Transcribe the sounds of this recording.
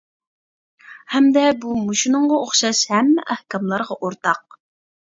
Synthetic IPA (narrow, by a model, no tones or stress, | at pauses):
hɛmd̪ɛbumuʃinɨɴʁɑoχʃɑʃhɛmːɛʔæhkʲɑmlˠɑɾʁɑʔoɾt̪ɑq̚